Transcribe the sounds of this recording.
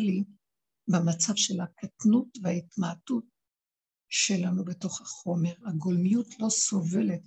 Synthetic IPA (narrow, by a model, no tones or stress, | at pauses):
il | bemat͡savʃe̞lakatnutvehaitmatut | ʃe̞lanubeto̞χhaχo̞me̞ʁaɡo̞lmijutʰlo̞so̞ve̞le̞t